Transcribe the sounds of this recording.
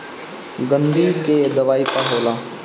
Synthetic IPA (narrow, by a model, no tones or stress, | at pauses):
ɡənd̪iːked̪əʋaːipaɦoːlaː